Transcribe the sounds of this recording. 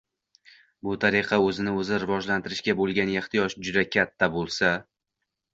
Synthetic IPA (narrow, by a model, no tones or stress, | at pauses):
bʊt̪ʰaɾɪqʰɑɵzɪnɪɵzɪɾɪvɒʒlant̪ɪɾɪʃkʲabolˠɡʲaneχt̪ʰɪjɒʃd͡ʒʊd̪akʲʰat̪ʰːabolˠsa